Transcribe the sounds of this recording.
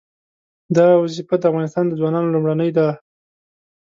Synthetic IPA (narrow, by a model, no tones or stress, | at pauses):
d̪ɑwazifad̪əafɣɑnɪst̪ɑnd̪əzwɑnɑnolumɽanəjd̪a